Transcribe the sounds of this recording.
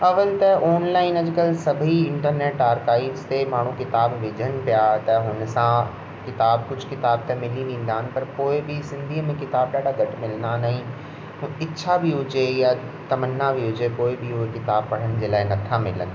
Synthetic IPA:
ɐʋəlt̪ɐʔɔːnlaːɪnɐd͡ʑkəlsɐbʱiɪ̃ɳʈəɾneːʈaːɾkaːibst̪emaːɳ̤ũkɪt̪aːbʋɪd͡ʑʱənpijat̪ɐɦʊnsã | kɪt̪aːb̚kʊt͡ʃʰkɪt̪aːb̚t̪ẽmɪlĩnĩːn̆d̪aɦənɪ̆pɐɾkoːibʱisɪ̃nd̪ʱimẽkɪt̪aːbɖaːɽaɡɐʈmɪlnanaɦĩ | ʊɪtːʃʰabʱiɦʊt͡ɕeja | t̪ɐmənːabʱiɦʊd͡ʑekoːibʱiʊɦekɪt̪aːb̚pɐɽ̤ənɪ̆d͡ʑeːlaːɪnɐt̪ʰamɪlə̰n

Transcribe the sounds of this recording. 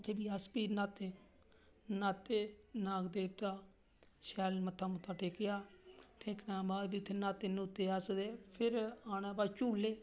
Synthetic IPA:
t̪ʰeːbiːəspiːɾnaːt̪ːeː | naːt̪ːeːnãːkd̪eːʋt̪aː | ʃɛːlmət̪ʰːaːmʊt̪ʰːaːʈʰeːkɪjaːʈʰeːknãːbaːd̪biːʊt̪ʰːeːnaːt̪eːnuːt̪ːeːəsd̪eːpʰɪɾaːnãːbaːt͡ʃuːlːeː

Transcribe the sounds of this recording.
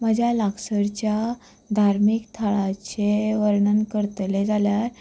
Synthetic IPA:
məd͡ʑʱalaksəɾt͡ɕja | d̪ʱaɾmikt̪ʰəɭat͡ɕeʋəɾɳənkəɾt̪led͡zʱaljaɾ

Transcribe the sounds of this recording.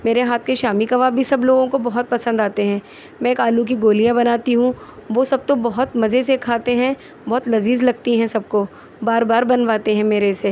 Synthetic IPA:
meːɾeɦaːt̪ʰkeʃaːmikɐʋaːbʱisɐbloːɡõkobɐɦʊt̪̚pɐsə̃nd̪aːt̪eɦɛ̃ː | mɛ̃ekaːluk̬iɡoːlijãbɐnaːt̪iɦũʋosɐb̚t̪obɐɦʊt̪mɐzesekʰaːt̪eɦɛ̃ | bɔɦt̪lɐziːzlɐɡ̚t̪iɦɛ̃sɐb̚ko | baːɾbaːɾbɐnʋaːt̪eɦɛ̃meːɾese

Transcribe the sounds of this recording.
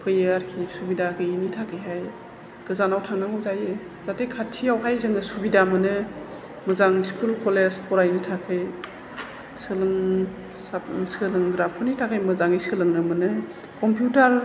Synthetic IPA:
pʰɯjeaɾkʰisubidakʰɯinitʰakʰɯjɦaj | ɡ̥ɯzanawtʰaŋnaŋɯwzaje | z̥atekʰatʰiawɦajzɯŋɯsubidamɯnɯ | mɯzaŋskulkʰɔlezpʰɔɾajnɯtʰakʰɯj | sɯlɯŋ | sasɯlɯŋdɾapʰɔnitʰakʰɯjmɯzaŋisɯlɯŋnɯmɯnɯ | kɔmpjutaɾ

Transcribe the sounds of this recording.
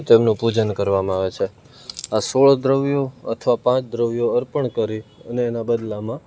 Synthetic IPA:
t̪emnũpud͡ʒənkəɾʋamãaʋet͡ʃʰe | asoɭd̪ɾəʋjoə̰t̪ʰəʋapãt͡ʃʰd̪ɾəʋjoəɾpəɳkəɾiəneːnabəd̪lamã

